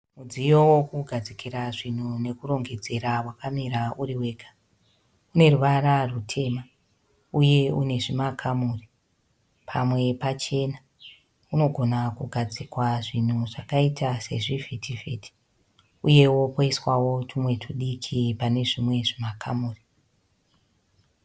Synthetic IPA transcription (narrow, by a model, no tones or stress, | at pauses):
mud͡zijowo̞kuɡʱad͡zikiɾaʐin̤une̞kuro̞ŋɡe̞d͡ze̞ɾawakamiɾauɾiwe̞ːɡʱḁ | une̞ruʋaɾarutʰe̞ma | uje̞une̞ʐimakʰamuːri | pʰamwe̞pat͡ʃe̞na | uno̞ɡʱo̞nakuɡʱad͡zikwaʐin̤uʐakaitase̞̰ʐivetʰiveti̥ | uje̞wo̞kwaiswawo̞tumwe̞tuɗikʰipane̞ʐimwe̞ʐimakamuːri